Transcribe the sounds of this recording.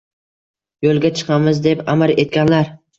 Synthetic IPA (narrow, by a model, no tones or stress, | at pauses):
jolˠɡʲat͡ʃʰɨ̥qʰɑmɪzd̪e̞pamɪɾe̞t̪̚kʲanlaɾ